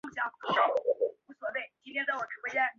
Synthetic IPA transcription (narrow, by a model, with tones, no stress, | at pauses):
u˥˩ɕjɑ˧˥ŋ̩˧˥a˥˩˨u˥˩swɔ˨˩pe˥˩ɪt͡ɕi˥nt̪ʰjɛ˥nt͡sa˥˩ɪwɔ˨˩ʈ͡ʂʰu˧˥we˥˧ɪɻɛ˥˩n